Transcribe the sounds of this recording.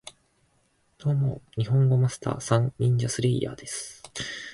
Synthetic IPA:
d̪̥oːmoɲ̟iɦõ̞ŋɡo̞masɨ̥t̪ʰa̰ːsãŋːʲĩɲ̟d͡ʑasɨɾeːja̰ːd̪̥e̞sɨ̥

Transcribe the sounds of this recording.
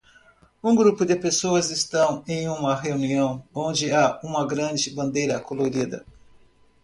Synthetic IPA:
ũɡɾupʊd̪ɪpesoɐzɪst̪ɐ̃w̃ẽj̃ũmɐɦeuniɐ̃w̃õnd͡ʒɪaũmɐɡɾɐ̃nd͡ʒɪbɐ̃nd̪ejɾɐkoloɾid̪ɐ̰

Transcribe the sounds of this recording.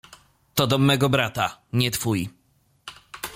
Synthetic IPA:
t̪ɔd̪ɔmɛɡɔbɾat̪aɲɛt̪fuji

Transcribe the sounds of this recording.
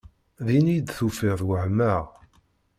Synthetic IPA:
ðinid̪θufiʁðwəhməʁ

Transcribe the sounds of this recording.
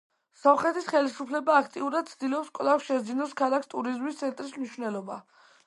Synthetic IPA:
sɔmχɛt̪ʰisχɛlisupʰlɛbaːkʰt̪ʼiuɾad̪̥̚t̪sʰd̪ilɔpskʼlˠafʃɛd̪zinɔskʰalˠakst̪ʼuɾizmist̪sʰɛnt̪ʼɾismniʃwnɛlˠɔba̰

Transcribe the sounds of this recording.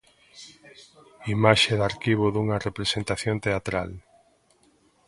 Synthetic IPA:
imaʃeðaɾkiβ̞oðuŋɐrepɾesent̪aθjont̪eat̪ɾa̰l

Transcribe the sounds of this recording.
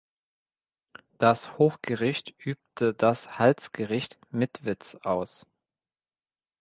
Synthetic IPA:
d̥ashoːxɡ̥əʁɪçtʔyːp̚tʰədashalt͡sɡ̥əʁɪçt | mɪtv̥ɪt͡sʔaʊs

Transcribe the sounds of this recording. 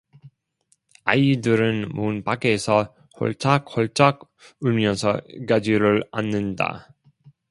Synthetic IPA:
aidɯɾɯnmunpaɡe̞sʰʌ | ho̰ɭt͡ɕ͈ʰak̚hʌɭt͡ɕ͈ʰak | uɭmjʌsʰʌkad͡ʑiɾɯɭa̰nːɯnda̰

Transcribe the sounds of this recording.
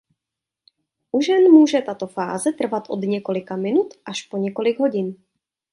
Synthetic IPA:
ʔuʒɛnmuːʒɛt̪at̪o̞fa̰ːzɛt̪r̩vat̪ʔo̞̰d̪ɲɛko̞lɪkamɪnut̪ʔaʃpo̞ɲɛko̞lɪɡɦo̞ɟɪn

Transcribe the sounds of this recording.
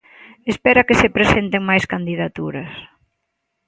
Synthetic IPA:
espɛɾɐkesepɾesent̪eŋmajskand̪iðat̪uɾɐs

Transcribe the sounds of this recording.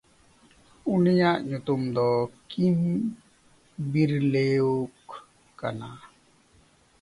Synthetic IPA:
unijaʔɲut̪umd̪ɔkim | biɾleokː | a̰na

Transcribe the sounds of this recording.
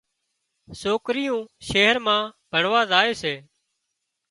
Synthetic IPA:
soːkɾɪjũːʃeːɦəɾmãːbʱəɳʋaːzaːeːseː

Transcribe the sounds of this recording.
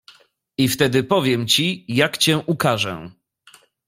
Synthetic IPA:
ift̪ɛd̪ɘpɔvʲjɛmt͡ɕijakt͡ɕɛ̃ʔukaʐɛ̰

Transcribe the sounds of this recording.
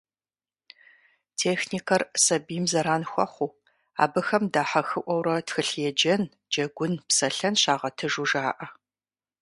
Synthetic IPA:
tʰeːxnikʰɐrsɐbimzɐɾaːnxʷɔ̰χʷuː | a̰ːbɨxɐmdaːħɐxɨʔʷɔwɾɐtxɨɬjɛd͡ʒɐn | d͡ʒɐɡʷʊnpsɐɬɐnɕaːʁɐtʰɨʒuʒaːʔɐ

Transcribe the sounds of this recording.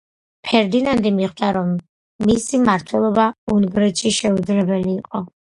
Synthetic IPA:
pʰɛɾd̪inand̪imiχd̪aɾɔmː | isimaɾt̪ʰwɛlˠɔbaunɡɾɛt̪ʃiʃɛud̪zɾɛbɛliːqʼɔ

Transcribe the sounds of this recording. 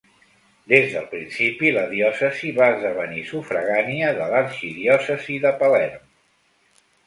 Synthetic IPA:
d̪ezðəlˠpɾinsipiləðiɔsəziβaəzðəβənisufɾəɣaniəðələɾʃiðiɔsəziðəpəlɛrm

